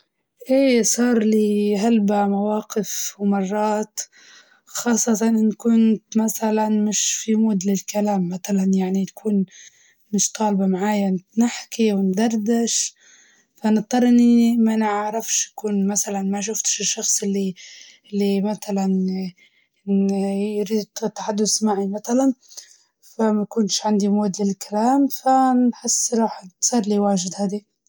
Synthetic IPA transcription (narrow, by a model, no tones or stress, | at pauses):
ʔeːsˤɑːɾˤliɦalbamawɑːqɪfwmɑrˤːɑːt̪ | xɑːsˤːɑt̪ɑnʔɪnkʊnt̪maθalanmɪʃfimuːd̪lɪlkalaːmːaθalanjaʕninakʰuːn | mɪʃt̪ˤɑːlbamaʕaːjanɪħkiwɪnd̪ɑɾˤd̪ɪʃ | fanɨʔ̪̚ˤd̪ˤɑɾˤʔɪnːimanɪʕɾˤɑfʃḁkuːnmasalanmaʃ̬ʊft̪ʃɪʃːɑxsˤɪlːiʔɪlːimat̪alan | jɾiːd̪t̪ːaħad̪ːʊsmaʕimaθalan | famakʊnʃʕand̪imoːd̪ːɪllkalaːmfanħɪsːɾˤɑːħt̪sˤiːɾliwaːʒɪd̪haːd̪i